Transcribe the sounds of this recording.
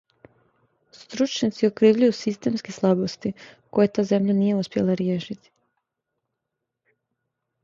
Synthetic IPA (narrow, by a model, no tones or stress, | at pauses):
st̪ɾut͡ʃɲat̪siokɾiːʋʎujusist̪e̞ːmskeslˠabost̪iko̞jet̪aːze̞mʎanije̞uspʲje̞̰lˠaɾjeːʃit̪i̥